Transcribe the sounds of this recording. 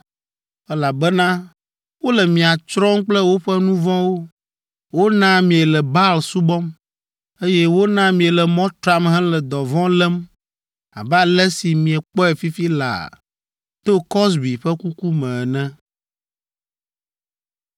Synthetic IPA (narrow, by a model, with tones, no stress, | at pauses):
ɛ˦la˨bɛ˦nã˦ | wo˦lɛ˨mĩ˨a˨t͡ʃɾɔ˦ŋ˦k͡plɛ˦wo˦ɸɛ˦nũ˦vɔ̃˦wo˦ | wo˦nã˦mĩ˨ɛ˨lɛ˨ba˦lsu˦bɔ˦m | e˦jɛ˦wo˦nã˦mĩ˨ɛ˨lɛ˨mɔ̃˦t̪ɾa˦mɦɛ̃˦lɛ˨d̪ɔ˨vɔ̃˦lɛ˦m | a̰˨ba˦lɛ˦si˨mĩ˨ɛ˨k͡pɔ˦ɛ˨fi˦fi˦la̰˨ | t̪o˦kɔ˦s̬bi˨ɸɛ˦ku˦ku˦mɛ̃˨nɛ̃˦